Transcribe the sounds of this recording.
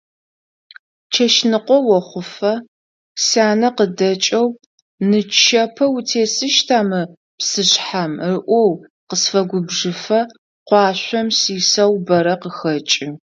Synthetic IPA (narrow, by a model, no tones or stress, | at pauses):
t͡ʃʰɐʃnɨqʷɔwɔχʷʊfɐ | saːnɐqədɐt͡ʃʼɐw | nɨt͡ʃʰɐpʰɐwtʰeːsɨʃtʰaːmɨ | psɨɕħamrɨʔʷɔw | qəsfɐɡʷʊbʐɨfɐ | qʷɑːɕʷɔmsiːsɐwbɐɾɐqəxɐt͡ʃʼɪ